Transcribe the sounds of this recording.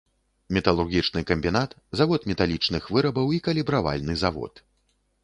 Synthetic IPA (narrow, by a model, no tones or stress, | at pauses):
mʲɛt̪ɐlˠurɣʲit͡ʂnɨkɐmʲbʲinat̪ | zavɔt̪mʲɛt̪alʲit͡ʂnɨxvɨɾɐbɐwikɐlʲibɾava̰lʲnɨzavɔ̰t̪